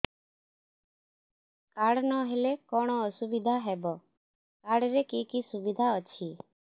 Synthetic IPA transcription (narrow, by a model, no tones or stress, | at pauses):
kaːɽnɔɦelekɔːɽ̃ɔɔsubɪd̪ʱaɦɛbɔ | kaːɽɾekiːkisubid̪ʱaɔt͡ʃʰiː